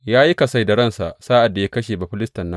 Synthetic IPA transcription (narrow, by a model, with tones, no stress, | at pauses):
jaː˦ji˦ka˨sa˦jda˨ɽɐ˦˨nsa˨ʔsaː˦ʔa˨dːa˨ja˦kɐ˦ʃeː˨ba˨ɸɪ˦lɪ˦stɐ˨nːɐ˦